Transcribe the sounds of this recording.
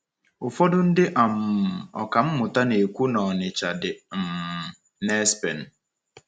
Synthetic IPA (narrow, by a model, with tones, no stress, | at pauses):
ʊ˨fɔ˦dʊ˦n̩˦dɪ˦ʔa˨m̩˨ɔ̰˨ka˨m̩˦mʊ˨ta˦ne˨kʷu˦nɔ˨nɪ˨t͡ʃa˨dɪ˨m̩˨ | nɛ˦spḛ˨n̩˨